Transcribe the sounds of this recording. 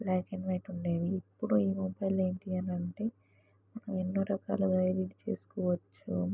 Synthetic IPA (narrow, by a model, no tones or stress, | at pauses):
lɛːkenʋɐjʈuɳɖe̞ːʋiipːuɽuiːmubɐjle̞ːɳʈiɐnɐɳʈe̞ː | mɐnɐmenːoːɾɐka̰ːluɡɐjliɖt͡ʃe̞̰ːsu̥kɔːʋɐt͡ʃːṵ